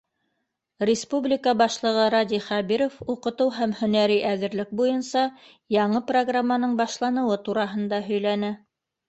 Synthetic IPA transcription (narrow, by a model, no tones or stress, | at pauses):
rʲɪspublʲikəbɑʃlˠɤ̆ʁɤɾɑd̪ʲiχæbiɾofuqɤ̆t̪ɤwɦæmhɵ̆næɾiʔæðɘ̆ɾlɘk̚bujɤnsɑ | jɑɴɤproɡramːanɤɴbɑʃlˠɑnɤ̆wɤt̪uɾɑɦɤ̆nd̪ɑɦɵ̆jlænɘ